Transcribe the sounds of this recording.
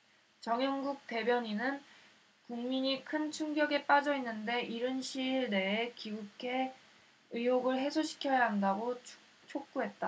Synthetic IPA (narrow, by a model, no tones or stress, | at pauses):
t͡ɕʌŋjʌŋɡuk̚t͈e̞bjʌɲinɯn | kuŋmiɲikʰɯnt͡ɕʰuŋɡjʌɡe̞p͈ad͡ʑʌinːɯnde̞ʔiɾɯnɕʰiɭne̞ːkiɡukʰe̞ | ɯɦoɡɯɭɦe̞sʰoɕʰi̥kʰjʌjaɦandaɡo | t͡ɕʰok̚k͈uɦe̞t̚t͈a